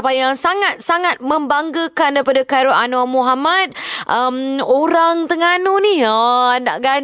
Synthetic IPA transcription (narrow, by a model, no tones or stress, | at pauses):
pajaŋsaŋat̪̚saŋat̪̚məmbaŋɡəkandaɾipadakaɾoʔanuamuɦamat̪̚ʔəmoɾaŋt̪əŋanunihəna̰ʔɡa